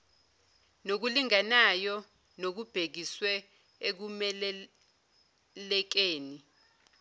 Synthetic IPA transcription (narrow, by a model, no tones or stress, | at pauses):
nok̬uliŋanajɔ | nok̬ub̥ʱek̬iswɛ | ek̬umɛlɛ | lɛk̬eːni